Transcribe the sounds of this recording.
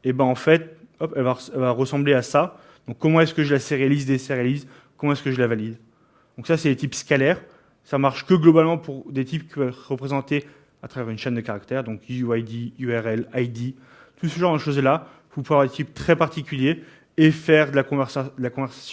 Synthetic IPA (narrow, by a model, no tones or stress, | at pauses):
ebɛ̃ɑ̃fɛt̪ɔpɛlvaɛlvaʁəsɑ̃bleasa | d̪̥ɔ̃kːɔmɑ̃ɛskəʒəlaseʁealizd̪eseʁealiz | kɔmɑ̃ɛskəʒəlavalid̪ | d̪̥ɔ̃ksasɛd̪et̪ipskalɛʁ | samaʁʃkəɡlɔbalmɑ̃puʁd̪et̪ipkʲi̥pœvɛtʁəpχezɑ̃t̪e | at̪χavɛʁynʃɛnd̪əkaʁak̚t̪ɛʁd̪ɔ̃kuajd̪iyɛʁɛlajd̪i | t̪usəʒɑ̃ʁd̪əʃozla | vupuveavwaʁd̪et̪ipt̪χɛpaʁt̪ikʲylje | efɛʁd̪əlakɔ̃vɛʁsad̪əlakɔ̃vɛʁsḁsj̃